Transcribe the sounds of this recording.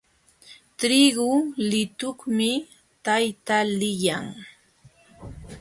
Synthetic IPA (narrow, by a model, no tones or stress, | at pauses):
t̪ɾɪɡʊlɪt̪ʊχmɪ | t̪ajt̪alɪjaŋ